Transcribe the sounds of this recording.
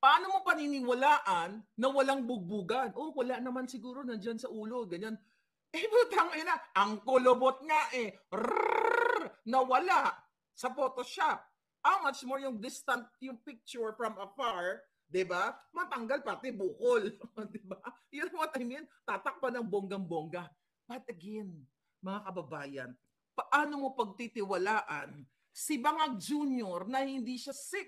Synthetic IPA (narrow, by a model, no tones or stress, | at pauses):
pɐʔaːnomopɐninɪwɐlaːʔɐnːɐwɐlaŋbʊɡ̚buːɡɐnʔo̞wɐlaʔnɐmansɪɡuːɾo̞nɐnd͡ʒansɐʔuːlo̞ɡɐɲan | ʔɛbot̪aŋonaʔɐŋkolobot̪̚ŋaʔɛɾa | nɐwɐlaʔ | sɐpoːt̪o̞ʃap̚ | hawmɐt͡ʃmoɹjʊŋd̪ɪst̪ɐnt̪̚jʊŋpɪk̚t͡ʃʊɹfɹɐmɐfaɹ | d̪ɪbamɐt̪ɐŋɡalpɐɾt̪ɪbuːkold̪ɪbajʊnɐwɐt̪ɐjmjɛnt̪aːt̪ɐk̚pɐnɐŋboŋɡɐŋboŋɡɐ | b̥ɐt̪̚ʔɐɡɛn | mɐŋakɐbɐbaːjɐ̰n | pɐʔaːnomo̞pɐɡ̚t̪it̪ɪwɐlaːʔɐn | sɪbɐŋad͡ʒuːnjoɾnɐhɪnd̪iʃasɪk̚